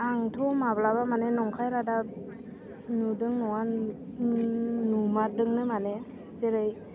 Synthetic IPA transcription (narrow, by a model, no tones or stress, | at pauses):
aŋtʰɔmablaβamanenɔŋkʰajɾada | nudɯŋnɔwa | numaɾdɯŋnɯmane | seɾɯj